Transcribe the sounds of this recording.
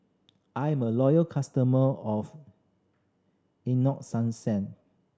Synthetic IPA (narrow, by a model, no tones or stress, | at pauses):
ʔãjɛ̃məlɔjəlkʰastəməɔf | inɔk̚sãnsɛ̃n